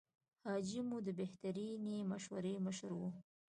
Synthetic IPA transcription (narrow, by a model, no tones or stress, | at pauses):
hɑd͡ʒimud̪əbeht̪aɾinemaʃwa̰ɾeməʃɾwu